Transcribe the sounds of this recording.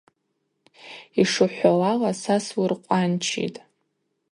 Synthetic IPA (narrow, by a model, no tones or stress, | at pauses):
iʂɨħʷalalasaswurqʷʼant͡ʃʰḭtʼ